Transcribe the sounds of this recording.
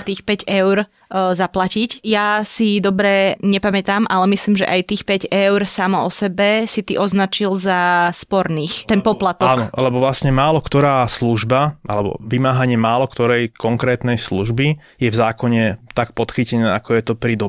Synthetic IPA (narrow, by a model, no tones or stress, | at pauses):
t̪iːxpɛɟɛʊɾ | zaplacicjasid̪ɔbɾɛɲɛpamɛt̪aːmʔalɛmisliːmʒɛ̰ʔajt̪iːxpɛɟɛʊɾsamɔɔsɛbɛsit̪iʔɔznat͡ʃilzaspɔɾniːxt̪ɛnpɔplat̪ɔank̪ɔlɛbɔvlasɲɛmaːlɔkt̪ɔɾaːsluʒbaʔa̰lɛbɔ̰ʋimaːɦaɲɪɛmaːlɔkt̪ɔɾɛjkɔŋkɾɛːt̪nɛjsluʒbi | jɛvzaːkɔɲɛt̪ak̚pɔt̪xicɛnɛːakɔjɛt̪ɔpɾid̪ɔ